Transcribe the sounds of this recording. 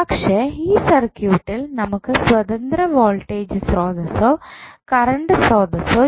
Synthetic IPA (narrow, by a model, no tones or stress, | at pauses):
ɐkʂeːiːsɐrkjuːʈːilnɐmukːɨswɐt̪ɐnd̪ɾɐʋoːlʈeːd͡ʑɨsroːd̪ɐsoːkɐɾɐɳɖɨsroːd̪ɐsoː